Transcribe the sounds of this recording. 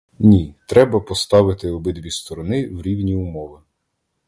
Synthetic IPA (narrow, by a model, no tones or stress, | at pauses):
nʲit̪ɾɛbɐpɔst̪ɑʋɪt̪ɪɔbɪd̪ʋʲist̪ɔɾɔnɪwɾʲiwnʲiʊmɔʋɪ